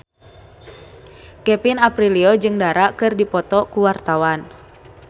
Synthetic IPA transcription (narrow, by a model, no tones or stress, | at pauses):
kɛpinapɾiliɔd͡ʒɨŋdaɾakɨrdipɔt̪ɔkuwart̪awan